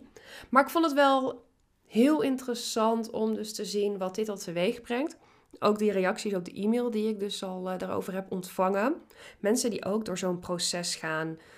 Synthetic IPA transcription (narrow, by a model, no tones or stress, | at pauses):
maːɹɪkfɔntətʋɛlˠ | hɪːlˠɪntərəsɑntɔmdɵstəzinʋɑt̚dɪtɑlˠtəʋejχbrɛŋt | ʔowk̚direjɑksisɔp̚dəʔimeːlˠdiɪɡ̚dɵsɑlˠdaːɹo̰wvəɹɦɛpɔntfɑŋəmɛnsəndiʔowkdʊːɹzownprosɛsχaːn